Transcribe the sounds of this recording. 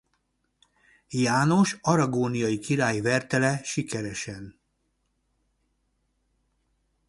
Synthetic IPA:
jaːno̞ʃɒɾɒɡoːnijɒjikiɾaːjivɛrt̪ɛlɛʃikɛɾɛʃɛn

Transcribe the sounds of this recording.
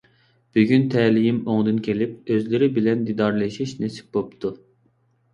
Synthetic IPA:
b̥yɡʲynt̪ʰɛːlijimoŋd̪ɨnkʲʰelip̚øzlɪɾɪbilɛnd̪id̪ɑɾlˠeʃiʃnesi̥p̚bopt̪ʰu

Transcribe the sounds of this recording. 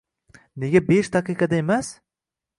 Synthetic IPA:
neɡʲabeʃt̪aqɨjqɑd̪aemas

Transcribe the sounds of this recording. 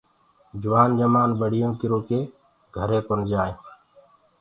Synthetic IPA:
d͡ʒʊʋaːnd͡ʒəmaːnbəɽ̤ɪjõːkɪɾoːkeː | ɡʱəɾẽːkənd͡ʒaːjẽː

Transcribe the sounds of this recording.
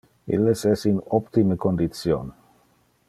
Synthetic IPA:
ḭlːesɛsinɔpt̪imekond̪it̪sjon

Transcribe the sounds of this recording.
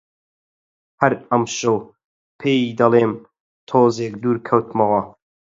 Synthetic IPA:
hɐɾɐmʃɨw | pʰeːjid̪ɐlˠeːm | t̪ʰoːzeːk̚d̪uːɾkʰɐwt̪mɐwɐ

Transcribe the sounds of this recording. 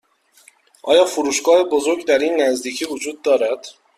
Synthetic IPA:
ʔɒːjɒːfuɾuːʃɡɒːhe̞bozo̞ɾɡd̪æɾiːnːæzd̪iːcʰiːvod͡ʒuːd̪ːɒːɾæd̪̥

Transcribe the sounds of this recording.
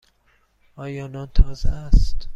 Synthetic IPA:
ɒːjɒːnɒːnt̪ʰɒːzeæst̪

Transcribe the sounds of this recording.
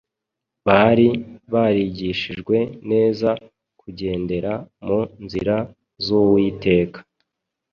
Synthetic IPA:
βaɾiβaɾiɟiʃiʒɡwe̞ne̞ːza | kuɟe̞ːnde̞ɾamunziɾa | zuwiːte̞ːkḁ

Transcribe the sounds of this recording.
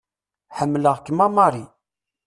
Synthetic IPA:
ħəmːləʁkːəmɑmɑɾˤi

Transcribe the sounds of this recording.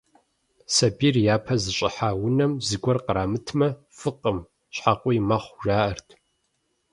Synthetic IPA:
sɐbirjaːpʰɐzɨɕʼɪħaːwʊnɐmzɨɡʷɔrqəɾaːmɨtʰmɐ | fɨqʼəm | ɕħaqʷʼijmɐχʷʒaːʔɐrtʰ

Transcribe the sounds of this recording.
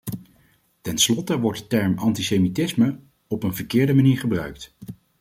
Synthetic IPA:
tɛnslɔtəʋɔɹtdətɛɹmɑntisejmitɪsmə | ɔpənvəɹkɪːɹdəmaniːɹχəbrœɥk̚t

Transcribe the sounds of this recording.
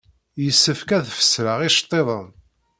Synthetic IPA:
jəsːəfkæðfə̥sɾəʁɪʃt̪ˤːeðˤən

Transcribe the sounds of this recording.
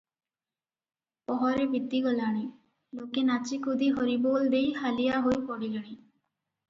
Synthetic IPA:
pɔɦɔɾebʱit̪ːiɡɔlaɽ̃i | lokenat͡ʃikʰud̪ʱiɦɔɾibold̪ejhalijaɦojpɔɽileɽ̃i

